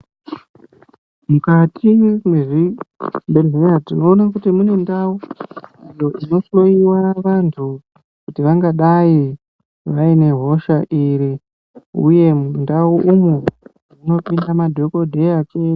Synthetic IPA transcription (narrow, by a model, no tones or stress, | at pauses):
mukatʰimweʐibelɦeatino̞ːnakutimune̞ndauijo̞ʔino̞slo̞iwaʋantʰu | kutiʋaŋɡaɗai | ʋaine̞ɦo̞ʃaʔiɾi | ṵje̞mundauʔumu | muno̞pindamadʱo̞ko̞dʱe̞jake